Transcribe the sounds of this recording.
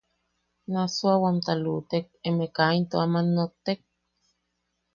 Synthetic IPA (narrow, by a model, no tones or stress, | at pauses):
nasuawamt̪alut̪ek̚emekaint̪oamanːot̪ek̚